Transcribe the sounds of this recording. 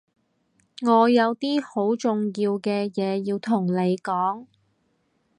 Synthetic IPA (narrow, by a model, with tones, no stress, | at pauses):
ŋɔː˨˧jɐ˨˧wt̪iː˥ho˨˥wt͡ʃʊ˨ŋjiː˧wkɛː˧jɛː˨˧jiː˧wt̪ʰʊ˨˩ŋle˨˧jkɔː˨˥ŋ